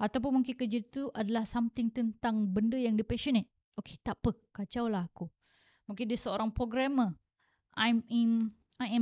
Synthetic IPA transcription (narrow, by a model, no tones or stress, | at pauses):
at̪awp̬ʊnmuŋkɪnkəd͡ʒit̪uʔadalahsamt̪ɪŋt̪ənt̪aŋbəndəjaŋdipɛʃənet̪̚ | oke̥t̪aʔpəkat͡ʃawlahaku | muŋkɪndəsəoɾaŋpɾoɡɾamə | aɛm | ajɛ